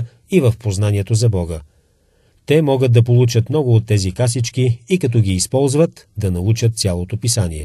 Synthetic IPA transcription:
ivəfpoznaniɛt̪ozɐbɔɡə | t̪ɛmɔɡəd̪ɐp̬olˠut͡ʃət̪mnɔɡʊːt̪ːɛzikasit͡ʃkiːkɐt̪̬ɔɡʲiːspɔlˠzvət̪d̪ɐnɐut͡ʃət̪̚t̪sʲjalˠot̪opisaniɛ̰

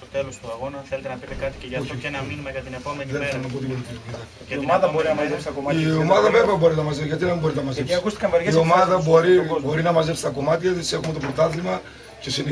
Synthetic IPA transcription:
sot̪elosɐɣonɐelt̪ɐpiat̪ionminiɐɐt̪ineðeniθelonɐpot̪̬ivolikinopiðɐ | iomɐðɐboɾinɐmɐzesɐkomɐiomɐðɐveveɐbo̞ɾinɐmɐzeʝɐt̪̬iðembo̞ɾit̪nɐmɐzesɐkust̪i̥kɐmvɐio̞mɐðɐbo̞ɾibo̞ɾinɐmɐzepsi̥t̪ɐko̞mɐt̪çɐðisexumet̪opɾot̪ɐθlimɐ | cesin

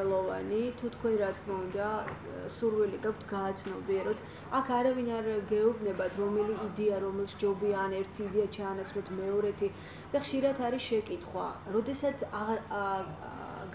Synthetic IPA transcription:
ɛlˠɔva̰nit̪ʰut̪ʰkʰwɛnɾat̪ʰkʰmaund̪a | suɾviliɡak̚ʰʷt̪ʰɡaːt̪sʰnɔbiɛɾɔt̪ʰ | akʰaɾavinaɾɡɛubnɛbat̪ʰɾɔmɛliːd̪ɛaɾɔmɛlˠʃd͡ʒɔbianɛɾt̪ʰiːd̪ɛat͡ʃʰaːnat̪sʰlɔt̪ʰmɛɔɾɛt̪ʰi | d̪̥aχʃiɾat̪ʰaɾisʃɛkʼit̪ʰχwa̰ɾɔd̪ɛsat̪sʰa

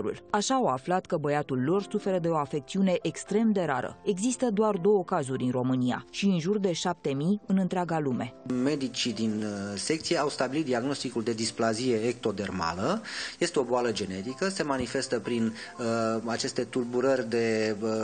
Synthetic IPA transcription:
ɾṵlaʃaːwaflat̪kəbəjat̪ulːo̞rsufe̞ɾəd̪e̞o̞afe̞k̚t̪siune̞ʔekst̪ɾe̞md̪e̞ɾaɾə̰e̞ɡzist̪əd̪oard̪o̞wəkazuɾʲinro̞mɨnia̰ʃiɨnʒurd̪e̞ʃap̚t̪e̞mijɨnɨnt̪ɾʲeaɡalume̞me̞d̪it͡ʃid̪inse̞k̚t̪sijeawst̪abilit̪̚d̪iaɡno̞st̪ikuld̪e̞d̪isplazije̞ːk̚t̪o̞d̪e̞rma̰ləje̞st̪eo̞boaləd͡ʒe̞ne̞t̪ikəse̞manife̞st̪əpɾinəat͡ʃe̞st̪e̞t̪ulbuɾərʲd̪e̞

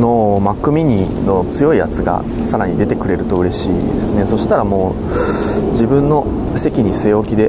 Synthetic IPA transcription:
no̞makːɯ̟mʲiɲ̟i | no̞t͡sɨjo̞ija̰t͡sɨɡa̰ | saɾaɲ̟id̪e̞t̪e̞kɯ̟ɾe̞ɾɯ̟t̪o̞ɯ̟ɾe̞ɕḭːd̪e̞sɨneso̞ɕi̥t̪aɾamo̞ː | d͡ʑibɯ̟̃nːo̞ | se̞kʲiɲ̟iseːo̞kʲid̪e̞

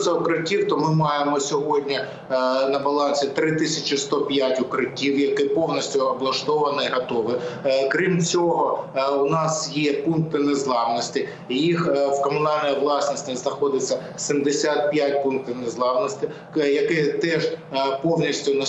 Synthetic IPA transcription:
sʲɐʊkɾɪtʲiwt̪ɔmɪmɑjemɔsʲɔɦɔdʲnʲi | nɐbɐlˠɑnʲsʲit̪ɾɪt̪ɪsʲɐt͡ʃɪst̪ɔpʲjatʲʊkɾɪtʲiwjɐkɪpɔwnʲisʲtʲʊɐblˠɐʃt̪ɔʋɐnɪɦɐt̪ɔʋɪkɾʲimt͡sʲɔɦɔʊnɑsjɛpunk̚t̪ɪnezlˠɑwnɔsʲtʲɪ | jixwkɔmʊnɑlʲnɔjiʋlˠɑsnɔsʲtʲɪznɐxɔd̪ɪt͡sʲːɐ | sʲimd̪ɪsʲat̪̚pʲjat̚ʲpunk̚t̪ɪwnezlˠɑwnɔsʲt̪ʲɪ | jɐkɪt̪ɛʒpɔwnʲisʲtʲʊnɐ

